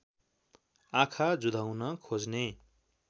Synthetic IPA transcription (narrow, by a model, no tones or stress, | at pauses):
akʰad͡zud̪ʱawnʌkʰod͡zne